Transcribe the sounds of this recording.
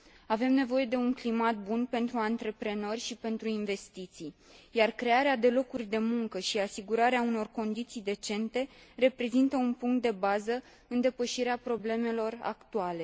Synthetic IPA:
ave̞mne̞vo̞je̞d̪e̞uŋklimat̪̚bunpe̞nt̪ɾuant̪ɾe̞pɾe̞no̞rʲʃipe̞nt̪ɾuinve̞st̪it̪sij | jarkɾe̞aɾead̪e̞lo̞kurʲd̪e̞muŋkəʃiasiɡuɾaɾeauno̞rko̞nd̪it̪sijd̪e̞t͡ʃe̞nt̪e̞re̞pɾe̞zint̪əunpuŋkt̪̚d̪e̞bazə | ɨnd̪e̞pəʃiɾeapɾo̞ble̞me̞lo̞ra̰kt̪uale̞

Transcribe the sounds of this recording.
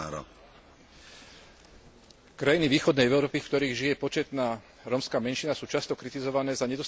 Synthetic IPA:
ɾɔ̰ | kɾajiniʋiːxɔd̪nɛjɛʊɾɔːpifkt̪ɔɾiːɣʒijɛpɔt͡ʃɛt̪naː | ɾɔmskaːmɛnʃinasuːt͡ʃast̪ɔkɾit̪izɔʋanɛːzaɲɛd̪ɔs

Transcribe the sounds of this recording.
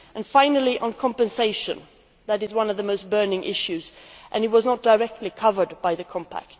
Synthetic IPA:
ʔɨ̃nfãɪ̃nəl̩ˠiʔə̃nkʰɑ̃mpɨ̃nseɪʃɨ̃n | ðɨɾɨzwʌ̃nʌvðəmoʊst̚b̥ɜ˞nɪ̃ŋʔɪ̰ʃʉzʔɨ̃nɨt̚wʌznət̚d̥əɹɛk̚tˡlikʰʌvə˞d̚baɪðɨkʰɑ̃mpʰæ̰k̚t̚

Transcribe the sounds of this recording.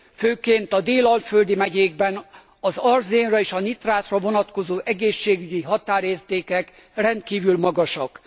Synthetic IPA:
føːkeːnt̪ɒd̪eːlɒlføld̪imɛɟeːɡ̚bɛn | ɒzɒrzeːnrɒeːʃɒnit̪raːt̪rɒvo̞nɒt̪ko̞zoːʔɛɡeːʃːeːɡyɟiɦɒt̪aːɾeːrt̪eːkɛkrɛnt̪kiːvylmɒɡɒʃɒk

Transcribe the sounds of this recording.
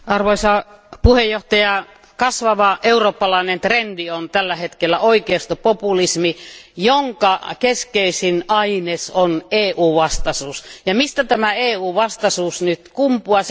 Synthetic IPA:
ɑrʋoisɑpuhejjoht̪ɑjɑ | kɑsʋɑʋɑʔeuroːpːɑlɑinent̪rendiont̪ælːæhet̪kelːæʔoikeːst̪opopulismijoŋkɑkeskeisinɑinesoneːʔuːʋɑst̪ɑsuːsjɑmist̪æt̪æmæeːuːʋɑst̪ɑsuːsnyt̪kumpuɑs

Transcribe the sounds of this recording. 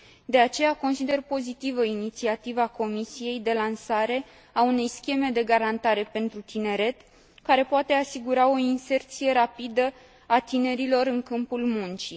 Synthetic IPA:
d̪e̞at͡ʃe̞jako̞nsid̪e̞rpo̞zit̪ivəinit̪siat̪ivako̞misije̞jd̪e̞lansaɾe̞ | aune̞jskʲe̞me̞d̪e̞ɡaɾant̪aɾe̞pe̞nt̪ɾut̪ine̞ɾe̞t̪ | kaɾe̞poat̪e̞asiɡuɾao̞inse̞rt̪sije̞ɾapid̪ə | at̪ine̞ɾilo̞ɾɨŋkɨmpulmunt͡ʃi

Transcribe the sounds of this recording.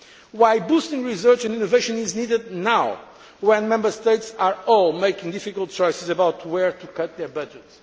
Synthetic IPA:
wajbust̪ɪ̃ŋɹisɜ˞t͡ʃɛ̃ndĩnoveɪʃɔ̃niznidɨd̪̚naw | wɛ̃nmɛ̃mbə˞st̪eɪtsaɹɔlˠmeɪkɪ̃ŋd̪ifikəlˠt̚t͡ʃɔjsɨzəbawt̪ʰwɛɹt̪ʰukʌt̪̚ðɛ˞bʌd͡ʒɨt

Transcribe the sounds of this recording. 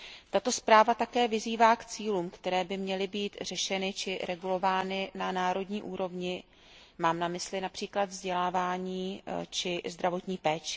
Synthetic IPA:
t̪at̪o̞spɾaːvat̪akɛːvɪziːvaːkt͡siːluːmkt̪ɛɾɛːbɪmɲɛlɪbiːt̪r̝ɛʃɛnɪt͡ʃɪɾɛɡulo̞vaːnɪnanaːɾo̞dɲiːʔuːɾo̞vɲɪ | maːmnamɪslɪnapr̥iːklad̪vzɟɛlaːvaːɲiːt͡ʃɪzd̪ɾavo̞t̪ɲiːpɛːt͡ʃɪ̥

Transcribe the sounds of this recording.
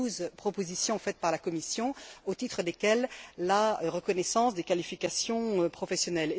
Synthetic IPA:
uzpχɔpozisjɔ̃fɛt̪̚paʁlakɔmisjɔ̃ot̪it̪χəd̪ekʲɛlːaʁəkɔnɛsɑ̃sd̪ekalifikasjɔ̃øpχɔfɛsjɔnɛle

